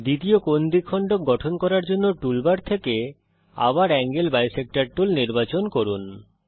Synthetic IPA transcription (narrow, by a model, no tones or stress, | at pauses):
d̪it̪iokond̪ikʰɔɳɖok̚ɡɔʈʰonkɔɾaɾd͡ʑonːoʈulbaɾt̪ʰeke | a̰βaɾɛŋɡelbajsek̚ʈaɾʈulniɾbat͡ɕonkoɾun